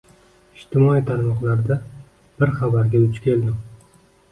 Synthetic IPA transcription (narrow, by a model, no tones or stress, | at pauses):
ɪʃt̪ʰɪmɒit̪ʰaɾmɒqlˠaɾd̪a | b̥ɪɾχavaɾɡʲaʊt͡ʃkʲʰe̞ld̪ɪm